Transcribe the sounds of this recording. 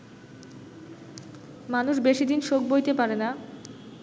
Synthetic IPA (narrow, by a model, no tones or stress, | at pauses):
manuʃbeʃid̪inʃok̚bojt̪epaɾena